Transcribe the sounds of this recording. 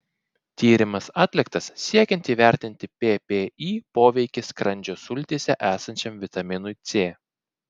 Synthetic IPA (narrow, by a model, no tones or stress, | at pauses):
t̪ʲiːɾʲɪmɐsɑːt̪ʲlʲɪkt̪ɐsːʲiɛkʲɛ̃nʲt̪ʲiːʋʲæˑɾʲt̪ʲɪnʲt̪ʲɪpʲepʲeːiːpoːʋʲɛɪkʲɪskɾɐnʲd͡ʒʲoːsʊlʲt̪ʲeːsʲɛʔæːsɐnʲt͡ʃʲɛmʋʲɪt̪ɐmʲɪnʊɪt̪sʲeː